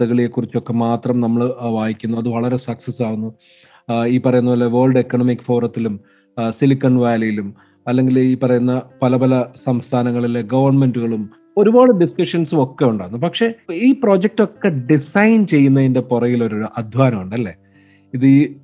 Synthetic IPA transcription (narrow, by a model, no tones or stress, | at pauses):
ɐɣɐɭilekːurit͡ɕːo̞kːe̞maːt̪rɐmnɐmːɐɭʋaːjikʲːunːuɐðɨʋɐɭɐɾe̞sɐksɐsːaːɣunːu | iːpːɐrɐjunːɐʋɐlːeʋoːɭɖekːɐɳɐmikːfo̞ːrɐt̪ːilum | silikːɐɳʋaːlɐjilum | ɐlːe̞ŋɡiliːpːɐrɐjunːɐpɐlɐpɐlɐsɐmst̪ʰaːnɐŋːɐɭilːeɡɐʋɐrnme̞nduɣɐɭum | o̞ɾuboːɭɨɖiskɐʂɐnsuo̞kːe̞juɳɖaːɣunːupɐkʂe̞iːpro̞ːd͡ʑek̚to̞kːe̞ɖisɐjnt͡ɕe̞jːunːɐinde̞purɐjilo̞ɾoɾuʔɐd̪ʱʋaːnɐmuɳɖɐlːe̞ | iðɨ